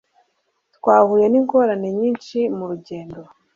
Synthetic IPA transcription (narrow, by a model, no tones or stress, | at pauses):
t̪kwaːhuje̞niŋko̞ɾane̞ɲiːnʃimuɾuɟe̞ːndo